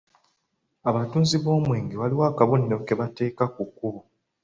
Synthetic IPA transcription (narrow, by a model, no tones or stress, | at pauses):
aβatuːnziβo̞ːmwiːŋɡiβaliwaːkaβonːo̞ke̞βate̞ːkakukːuβo